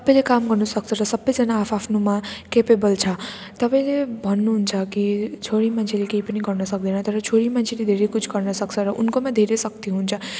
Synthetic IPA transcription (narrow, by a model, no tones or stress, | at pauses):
t̪ʌpaĩlekamɡʌrnʌsʌk̚t͡sʰʌɾʌsʌbːʌjd͡zʌnaːpʰapʰnumakepebʌlt͡sʰʌ | t̪ʌpaĩlebʱʌnːuɦunt͡sʰʌkit͡sʰoɽimant͡sʰelekeipʌniɡʌrnʌsʌk̚d̪inʌt̪ʌɾʌt͡sʰoɽimant͡sʰeled̪ʱeɾekut͡sʰɡʌrnʌsʌkt͡sʰʌɾʌʔunkomad̪ʱeɾesʌk̚t̪iɦunt͡sʰʌ